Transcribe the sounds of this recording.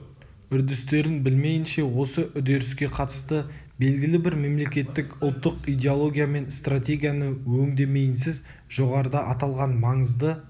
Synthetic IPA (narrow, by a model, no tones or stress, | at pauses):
ʏɾd̪ɪst̪e̞ɾɪnbɪlme̞jɪnʃe̞wo̞səʔʏd̪e̞ɾɪskʲe̞qʰɑt̪ə̥st̪ə | be̞lɡʲɪlɪbɪɾme̞mle̞kʲe̞t̪ːɪkʊlˠt̪ːəqijd̪ʲe̞olˠo̞ɡʲijame̞nst̪rat̪ʲe̞ɡʲijanəwɵŋd̪e̞me̞jɪnsɪz | ʒ̥o̞ʁɑɾəd̪ɑʔɑt̪ɑlˠʁɑnmɑɴəzd̪ə